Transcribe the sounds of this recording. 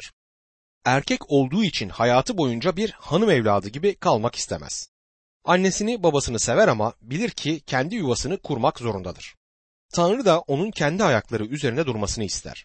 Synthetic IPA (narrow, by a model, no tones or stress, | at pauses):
æɾcʰɛco̞lˠd̪uːit͡ʃʰinhajaːt̪ʰɯbo̞jund͡ʒabiɾhanɯmɛvlʲa̰ːd̪ɯɟibikʰalˠmaki̥st̪ʰḛmæ̰z̥ | anːe̞sinibabasɯnɯse̞væɾamabilʲiɾcʰicʰɛnd̪ijuvasɯnɯkʰuɾmakzo̞ɾund̪a̰d̪ɯɾ̥ | t̪ʰanɾɯd̪aʔo̞nuncʰɛnd̪iajaklˠaɾɯyze̞ɾind̪ɛd̪uɾmasɯnɯist̪ʰæ̰ɾ̥